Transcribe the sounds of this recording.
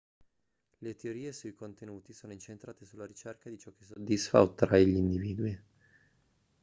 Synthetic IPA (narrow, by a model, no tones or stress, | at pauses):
let̪eoɾiːesuikont̪enuːt̪isoːnoint͡ʃent̪ɾaːt̪esulːaɾit͡ʃerkad̪it͡ʃɔkːe̥s̬od̪ːisfa̰ot̪ːɾaiʎiind̪iviːd̪uwi